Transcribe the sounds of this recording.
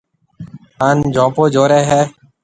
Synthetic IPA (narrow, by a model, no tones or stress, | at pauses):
aːnd͡ʒõːpoːd͡ʒoːɾeːɦɛː